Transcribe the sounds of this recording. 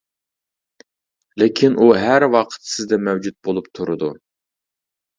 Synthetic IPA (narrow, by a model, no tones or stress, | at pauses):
lekʲʰinʔuɦæɾwɑqʰə̥t̪sɪzd̪ɛmɛwd͡ʒut̪̚bolˠupt̪ʰuɾɨd̪u